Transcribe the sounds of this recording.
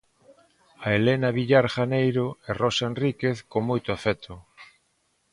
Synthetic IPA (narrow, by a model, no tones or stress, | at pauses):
aelenaβiʎaɾxanejɾoerosaenrikeθkoŋmojt̪oafɛt̪ʰo